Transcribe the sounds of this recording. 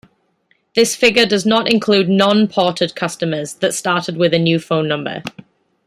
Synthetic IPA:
ðɪsfɪɡədəznətɪ̃nkʰl̥ʉːdⁿnɒ̃npʰɔˑtəd̚kʰʌstəməzðətstɑˑtɪd̚wɪðənjʉːfõʊ̃nːʌ̃mbə̰

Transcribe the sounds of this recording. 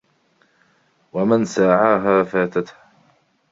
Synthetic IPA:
wamansaːʕaːɦaːfaːt̪at̪ha

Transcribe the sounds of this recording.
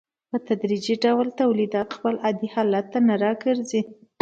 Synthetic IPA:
pət̪ad̪ɾid͡ʒiɖawlt̪awlid̪ɑt̪xpəlad̪ihɑlat̪ːanaɾɑɡəɾzi

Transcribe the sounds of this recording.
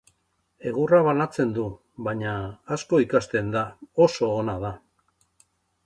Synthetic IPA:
e̞ɣuraβanat͡se̞nd̪u | βaɲaːsko̞ikast̪e̞nd̪ao̞so̞ːnaða

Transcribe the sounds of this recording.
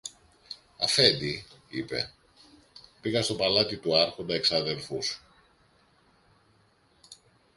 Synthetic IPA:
ɐ̰fe̞nd̪iipe̞̰ | piɣɐst̪o̞pɐlɐt̪it̪uɐɾxo̞nd̪ɐe̞ksɐðe̞lfus

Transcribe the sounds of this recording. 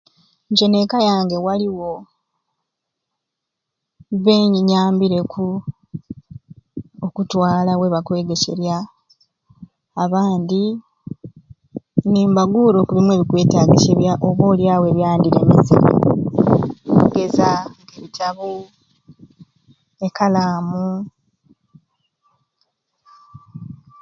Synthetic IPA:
ɲco̞ne̞kajaːŋɡe̞waliwo̞ | βe̞ːɲiɲaːmbiɾe̞kʰu | okutwaːlawe̞βakwe̞ːɡe̞se̞̰ɾja | βaːndi | niːmbaɡuːɾo̞kulimwe̞ːβikwe̞ːtaɡiseβjaʔoβo̞ːljaːwe̞ːβjaːndiɾe̞̰mizḭɾḭ | uɡe̞zaŋɡeβitʰaβu | e̞kalaːmu

